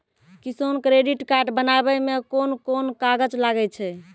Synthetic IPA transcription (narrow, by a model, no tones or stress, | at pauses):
kisonkɾeɖiʈkaɾʈbənabɛmekonkonkaɡəd͡ʒlaɡɛt͡ʃʰɛ